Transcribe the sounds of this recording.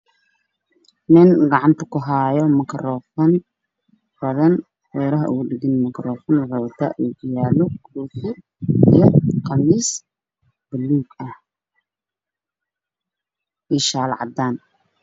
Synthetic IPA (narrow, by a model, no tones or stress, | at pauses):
nɪnɡɑʕɑnt̪ʰɐ̥kʰʊɦaːjɔmɐkʰrɔːfɐn | b̥ɐðɐn | wɛːɾɐɦɐ̰ʔʊɣʊɖɪɣɪnmɐkʰɾɔːfɐnwrɔwt̪ʰɐ̰ʔuːɡʊjaːlɔɡʊufʊ | ḭjɔqɑmiːs | b̥ɐlːuːɡɐh | ʔiʃaːlʕɑ̰d̪aːn